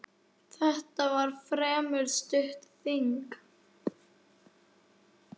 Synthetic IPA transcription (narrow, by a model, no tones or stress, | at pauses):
θɛht̪avaɾ̥fɾɛːmʏɾst̪ʏht̪θiŋk